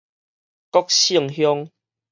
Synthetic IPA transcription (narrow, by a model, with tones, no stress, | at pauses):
kɔ˦k̚ɕi˥˧˨əŋɦjɔ˦ŋ